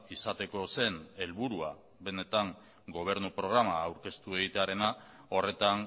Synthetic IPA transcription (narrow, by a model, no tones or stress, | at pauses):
isat̪e̞ko̞se̞ne̞lβuɾua | βe̞ne̞t̪aŋ | ɡo̞β̞e̞ɾnupɾo̞ɣɾamaːwɾke̞st̪ue̞ɣ̞it̪e̞aɾe̞na | o̞re̞t̪aŋ